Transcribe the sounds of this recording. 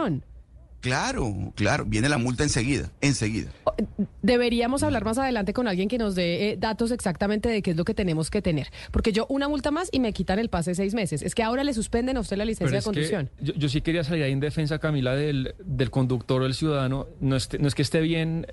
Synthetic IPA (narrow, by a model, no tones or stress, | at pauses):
onklaɾo̰kla̰ɾoβjenelamult̪aenseɣiða̰enseɣḭða̰od̪e̞βe̞ɾiamo̞saβlaɾmas̬að̞e̞lant̪̬e̞ko̞nalɡje̞ŋke̞no̞zd̪e̞d̪at̪o̞s̬e̞ksak̚t̪ament̪eðekeezlo̞ke̞t̪e̞ne̞mo̞ske̞t̪e̞ne̞ɾ | po̞ɾke̞ʝo̞ʔunamult̪amasime̞kit̪anelpas̬ees̬ejzme̞seseskeao̞ɾale̞s̬uspe̞nd̪enawst̪e̞lalisenssjekonuksjo̞nd͡ʒod͡ʒo̞s̬ike̞ɾias̬aliɾaiend̪e̞fe̞ns̬akamilaðeld̪e̞lko̞nd̪ukt̪o̞ɾðe̞lsjuðaðano̞noest̪enoeskest̪e̞βje̞n